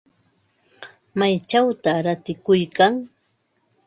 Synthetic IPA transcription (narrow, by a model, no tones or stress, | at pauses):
majt͡ʃawt̪aɾat̪ɪkʊjkaŋ